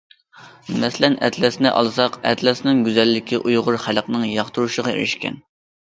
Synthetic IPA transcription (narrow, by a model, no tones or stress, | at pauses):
mɛslɛnɛ̰t̪lɛsnɪ̰ʔɑ̰lˠsɑqɛ̰t̪lɛsnɪŋɡʲyzɛlːɪkʲʰiʔujʁʊɾχælqnɨŋjɑχt̪uɾuʃəʁɑḛɾɪʃkʲɛ̰n